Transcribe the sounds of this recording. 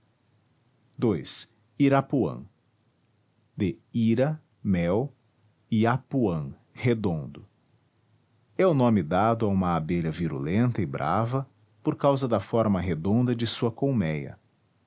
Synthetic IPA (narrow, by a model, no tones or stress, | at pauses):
d̪ojs | iɾapuɐ̰̃ | d̪eiɾɐ | mɛw | iapuɐ̃ | hed̪õnd̪ʊ | ɛʊnõmɪd̪ad̪ʊaũmɐabeʎɐviɾṵlẽnt̪ɐɪbɾʔa̰vɐ | poɾkawzɐd̪ɐfɔɾmɐɦed̪õnd̪ɐd͡ʒɪsuɐkowmɛjɐ̰